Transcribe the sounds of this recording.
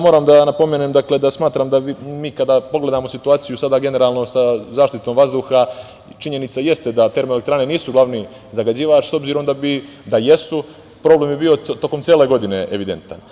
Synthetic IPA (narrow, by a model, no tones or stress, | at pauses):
moɾaːmd̪anapo̞meːnemd̪akle̞d̪asmaːt̪ɾamd̪amiːkad̪aːpo̞ɡle̞d̪aːmo̞sit̪uaːt̪sijusad̪aːɡe̞ne̞ɾaːlno̞sazaːʃt̪it̪o̞mʋazd̪uxa | t͡ʃiɲe̞nit̪saje̞st̪ed̪at̪e̞ɾmoelekt̪ɾaːneniːsuɡlˠaʋni | zaɡad͡ʑiːʋat͡ʃso̞bziːɾo̞md̪abi | d̪aje̞su | pɾo̞ːble̞ːmbebiːo̞t̪o̞ko̞mt̪seːle̞ɡod̪ine̞̰ʔeʋid̪e̞nt̪a̰n